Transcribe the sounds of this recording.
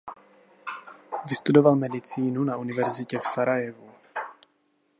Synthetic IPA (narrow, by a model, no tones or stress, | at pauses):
vɪst̪udovalmɛdɪt͡siːnunaʔunɪvɛɾzɪcɛfsaɾajɛvu